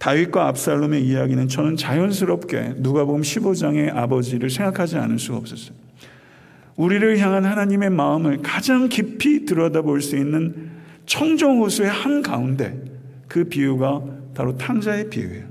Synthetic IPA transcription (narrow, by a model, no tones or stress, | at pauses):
taɥik͈waːp̚s͈aɭːome̞ijaɡinɯnt͡ɕʌnɯnt͡ɕajʌns̬ʰɯɾʌp̚k͈e̞̰nuɡabomɕʰibod͡ʑaŋe̞ʔabʌd͡ʑiɾɯɭsʰe̞ŋɡakʰad͡ʑia̰nɯɭs͈uɡaʌp̚s͈ʌs͈ʌ̥ | uɾiɾɯɭçjaŋɦanhanaɲime̞maɯmɯɭkad͡ʑaŋkipʰitɯɾʌdaboɭs͈uinːɯn | t͡ɕʰʌŋd͡ʑʌŋɦosʰue̞hanka̰unde̞̰ | kɯpiuɡapaɾotʰaŋd͡ʑaepḭṵe